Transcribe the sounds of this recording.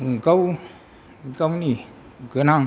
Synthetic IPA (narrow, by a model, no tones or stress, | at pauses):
ukəw | kawni | kənaŋ